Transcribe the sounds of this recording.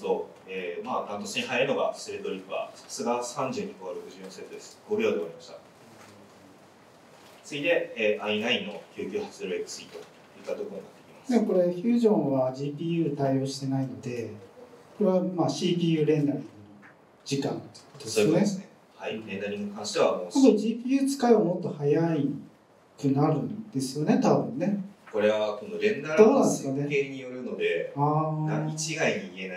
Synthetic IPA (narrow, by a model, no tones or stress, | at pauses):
t̪o | emaːt̪ãnt̪osɨɲihajaɾino̞ɡa̰sɨɾet̪o̞ɾʲipːɯa̰sḁsɨɡasãɲd͡ʑɨːɲ̟ikoɾokɯ̟ʑɨjõset̪od̪esɨ̥ɡoɾɯ̟joːd̪eaɾimaɕi̥t̪a | t͡sɨɡʲid̪e̞eʔainainːo̞kʲɨːkʲɨ̟ːhat͡sɨd̪ɾɯekt͡sɨit̪o̞ | jɯ̟t̪ːat̪o̞koɾonat̪ːekʲi̥mḁsneko̞ɾe̞çɨːʑõɰ̃βad͡ʑiːp̬ʲiːjɯ̟ːt̪aijo̞ːɕi̥t̪e̞naino̞d̪e̞koɾe̞βamaːɕiːpʲiːjɯ̟ːɾẽ̞nd̪aɾʲĩo | d͡ʑikã̰nt̪e̥kkot̪o̥esneesne | haiɾẽnd̪aɾʲĩŋikãɰ̃ɕi̥t̪e̞βamososoʑiːpʲiːjɯ̟ːt͡sɨ̥kaeomo̞t̪ːo̞hajai | kɯ̟naɾɯ̟̃nd̪̥e̞sɨjo̞ne̞t̪abɯ̟̰̃nːe̞ko̞ɾe̞βako̞no̞ɾẽ̞nd̪aɾd̪o̞ːnãndd̪esskane̞keɲijo̞ɾɯ̟no̞d̪e̞aːd̪ait͡ɕiɡaiɲiːe̞na